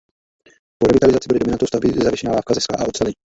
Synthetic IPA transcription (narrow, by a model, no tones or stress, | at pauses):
poɾɛvɪt̪alɪzat͡sɪbudɛdomɪnat̪owst̪avbɪzavɪʃɛnaːlaːfkazɛskla̰ʔa̰ʔot͡sɛlɪ